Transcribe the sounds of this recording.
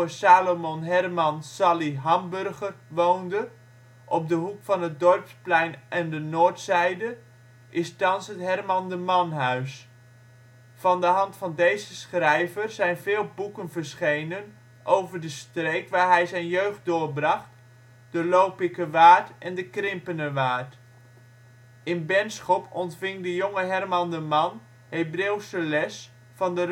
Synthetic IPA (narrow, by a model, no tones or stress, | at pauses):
saːlomɔnɦɛrmɑnsɑliɦɑmbɵrχərʋowndə | ʔɔp̚dəɦukfɑnɦət̚dɔrpsplɛjnʔɛndənoːɹtsɛjdə | ʔɪstɑnsɦətɦɛrmɑndəmɑnɦœɥs | fɑndəɦɑntfɑndejzəsχrɛjvərzɛjnvɪːlˠbukənvəɹsχejnən | ʔowvəɹdəstrejkʋaːɹɦɛjzɛjnjøɥχt̚dʊːɹbrɑχt | dəlowpɪkəʋaːɹtɛndəkrɪmpənəʋaːɹt | ɪnbɛnsχɔpʰɔntfɪŋdəjoŋəɦɛrmɑndəmɑn | ɦejbreːwsəlɛs | fɑndə